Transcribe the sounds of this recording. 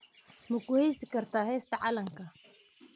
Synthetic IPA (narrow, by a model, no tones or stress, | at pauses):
mʊkʰʊhɛjsɪkʰɐrt̪ʰaːɦɛːst̪ʰɐʕɑlɐŋkʰɐ